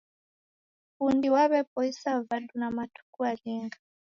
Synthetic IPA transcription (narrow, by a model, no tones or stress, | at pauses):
pundiwaβɛpɔisavaɗunamatu̥kualɛŋɡa